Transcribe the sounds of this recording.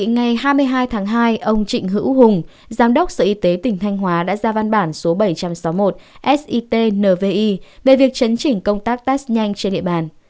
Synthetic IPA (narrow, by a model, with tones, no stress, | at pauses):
ŋa˨˩jɦaː˧jmɨ˧əjɦaː˧jt̪ʰaː˨˦ŋɦaː˧jʔə˧wŋ͡mt͡ɕḭ˧˨ŋ̟ɦɨ̰˧˥wɦʊ˨˩ŋ͡m | zaː˨˦mɗə˦˥k͡p̚sə̰ː˧˩˨ʔi˧t̪e˨˦t̪ï˧˩ŋ̟t̪ʰa˧jŋ̟ɦwaː˨˦ɗa̰ː˧˥zaː˧va˧nɓaː˧˩nso˨˦ɓə˧˩jt͡ɕa˧msa˨˦wmo˨˩t̚ʔɛ˦˥sʔi˧t̪e˧nəː˨˩ve˧ʔi˧ve˨˩vi˨˩ək̚t͡ɕə˨˦nt͡ɕï˧˩ŋ̟kə˧wŋ͡mt̪aː˦˥k̚t̪aː˦˥sɲa˧jŋ̟t͡ɕe˧nɗḭ˧˨əɓaː˨˩n